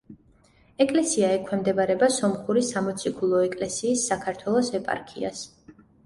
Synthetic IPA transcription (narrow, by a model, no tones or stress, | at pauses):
ɛkʼlɛsiaɛkʰwɛmd̪ɛbaɾɛbasɔmχuɾisamɔt̪sʰikʰulˠɔɛkʼlɛsiːsːakʰaɾt̪ʰwɛlˠɔsɛpʼa̰ɾkʰia̰s